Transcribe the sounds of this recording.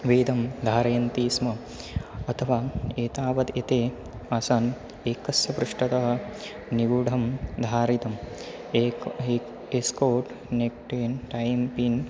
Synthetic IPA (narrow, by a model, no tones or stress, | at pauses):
ʋeːd̪ʱɐmd̪ʱaːɾɐjɐnt̪iːsmɐ | ɐt̪ʰɐʋaːeːt̪aːʋɐd̪et̪eː | asaːn | eːkɐsjɐbɾuʂʈɐt̪ɐɦɐ̆ | niɡuɖʱɐmd̪ʱaːɾit̪ɐm | eːe | eskoːʈ | nek̚ʈeːnʈɐjmpiːn